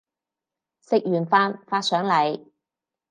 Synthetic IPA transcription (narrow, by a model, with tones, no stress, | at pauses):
sɪ˨k̚jyː˨˩nfaː˧nfaː˧t̚sœː˨˥ŋlɐ˨j